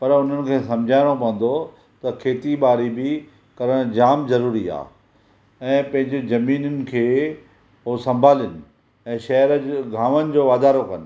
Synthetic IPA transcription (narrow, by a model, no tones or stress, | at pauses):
pɐɾʊn̤ənɪ̆kʰeːsɐ̃md͡ʑʱaːɪɽ̃opɐ̃ə̃nd̪o | t̪ɐkʰeːt̪iɓaːɾibɪ | kɐɾəɽ̃d͡ʑaːmzɐɾuːɾia̰ː | ɛ̃ːpɐ̃ɦɪ̃ɲd͡ʑezɐmiːnənɪ̆kʰeː | ɦoːsɐ̃mbʱaːlɪnɪ̆ | ɛ̃ːʃɐɦəɾəɡʱãːʋənɪ̆d͡ʑoːʋaːd̪aːɾokɐnɪ̆